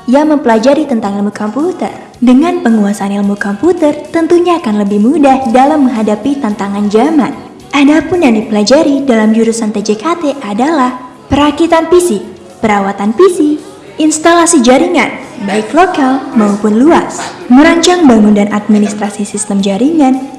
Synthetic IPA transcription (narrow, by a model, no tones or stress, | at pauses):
jaŋməmpəlad͡ʒaɾit̪ənt̪aŋalmukɔmput̪ə̰r | dəŋanpəŋuasanilmukɔmput̪ərt̪ənt̪uɲaːkanləbɪhmudahdalamːəŋɦadapit̪ant̪aŋand͡ʒaman | ʔadapʊnjaŋdipəlad͡ʒaɾidalamd͡ʒuɾusant̪ed͡ʒekat̪eʔadalah | pəɾakit̪anfisi | pəɾawat̪anfisi | ʔinst̪alasid͡ʒaɾiŋanbaiklokalmaupʊnluasməɾaɲt͡ʃaŋbaŋundanʔat̪̚minist̪ɾasisist̪əmd͡ʒaɾiŋan